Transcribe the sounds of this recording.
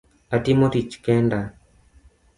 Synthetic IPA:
adimoɾit͡ʃkɛnda

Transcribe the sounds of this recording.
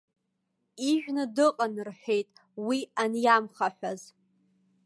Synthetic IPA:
iʒᶣnɨdɨqʼanrħʷᶣejtʼwianjamχaħᶣʷaz

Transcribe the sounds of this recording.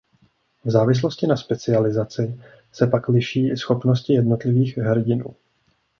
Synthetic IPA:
vzaːvɪs̬lo̞scɪnaspɛt͡sɪalɪzat͡sɪ | sɛpaklɪʃiːʔɪsxo̞pno̞scɪjɛdno̞t̪lɪviːxɦɾ̩ɟɪnṵː

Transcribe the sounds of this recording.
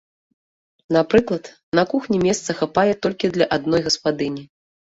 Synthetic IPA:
napɾɨklˠɐt̪ | nɐkuxnʲimʲɛst̪sɐxapajɛt̪ɔlʲkʲid̪lʲɐʔad̪nɔjɣɐspad̪ɨnʲi

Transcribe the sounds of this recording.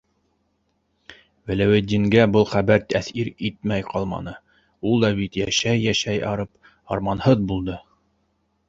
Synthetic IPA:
wæ̆læwæt̪̚d̪iŋɡæbɤlˠχæbæɾt̪æθiɾit̪̚mæjqɑlˠmɑ̰nɤ | ulˠd̪ɑbit̪jæʃæjːæʃæjɑɾɤp | ɑ̰ɾmɑnhɤðbulˠd̪ɤ

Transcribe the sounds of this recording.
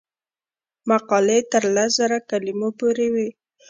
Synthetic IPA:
maqɑlet̪əɾlaszaɾakalimopoɾewi

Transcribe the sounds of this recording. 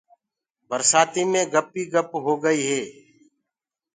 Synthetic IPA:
bəɾsaːt̪iːmẽːɡəpːiːɡəpɦoːɡəiːɦɛː

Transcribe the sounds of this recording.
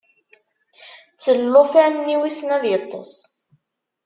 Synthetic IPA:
t͡sːəlːofænːiwisnæðjət̪ˤːo̰s

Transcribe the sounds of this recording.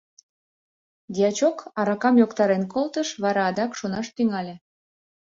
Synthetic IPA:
d̪ʲiɑt͡ɕokɑɾɑkɑmjokt̪ɑɾenkolt̪əʃβɑɾɑːd̪ɑkʃunɑʃt̪iŋɑlʲe

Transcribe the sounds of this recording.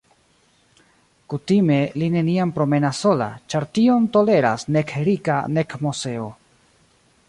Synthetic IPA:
kutime̞line̞niampɾo̞me̞nasːo̞la̰t͡ʃaɾtio̞nto̞le̞ɾa̰sne̞keɾikane̞kmose̞o̞

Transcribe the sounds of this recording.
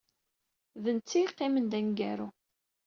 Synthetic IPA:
ðənt͡sːiqːemənd̪æŋɡæɾu

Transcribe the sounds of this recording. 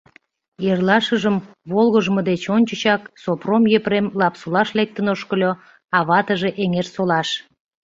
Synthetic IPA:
jerlɑʃəʒəm | βolɣəʒəməd̪et͡ɕonʲt͡ɕət͡ɕɑksopromjepremlɑpsolɑʃlek̚t̪ənoʃkəlʲo | ɑβɑt̪əʒe̽ʔeŋersolɑʃ

